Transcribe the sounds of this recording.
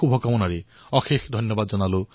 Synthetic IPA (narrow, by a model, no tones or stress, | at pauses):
ubʱɔkɔmɔnaɾe | ɔxʰexʰd̪ʱɔnjɔbad̪d͡ʒɔnalo